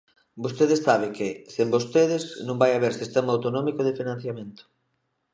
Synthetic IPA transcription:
bost̪eðesaβ̞ɪkɪsembost̪eðɪsnõmbajaβeɾsist̪emaawt̪onɔmikoð̞ɪfinãn̟θjamẽnt̪o̥

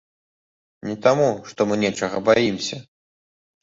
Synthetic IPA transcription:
nʲɛt̪amuʂt̪ɔmɨnʲɛt͡ʂɐɣɐbajimsʲɐ

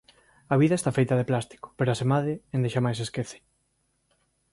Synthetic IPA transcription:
ɐβ̞iðɐest̪afejt̪ɐðeplast̪i̥kʊ̥peɾoasemaðɪend̪eʃamajs̬eskeθɪ̥

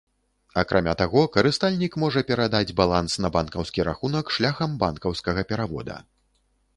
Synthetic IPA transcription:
akɾʔamʲat̪aɣɔkɐɾɨst̪alʲnʲikmɔʐɐpʲɛɾad̪ad͡zʲbalˠansnɐbankɐwskʲiɾaxunɐkʂlʲaxɐmbankɐwskɐɣɐpʲɛɾavɔ̰d̪ɐ̰

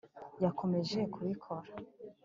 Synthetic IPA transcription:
jakʰo̞me̞ʒe̞kʰuβikʰo̞ɾa

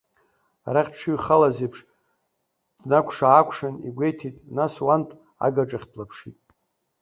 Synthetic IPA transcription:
a̰ɾaχʲʈ͡ʂʰuɥχalazepʰʂ | d̥nakʷʰʂaːkʷʰʂanḭɡʷejtʰitʼnaswantʼ | a̰ɡaʈ͡ʂʼaχʲtʰlapʰʂitʼ

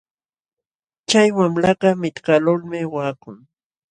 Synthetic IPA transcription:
t͡ʃajwamlaɢɑmɪt̪kalʊlmɪwaːkʊŋ

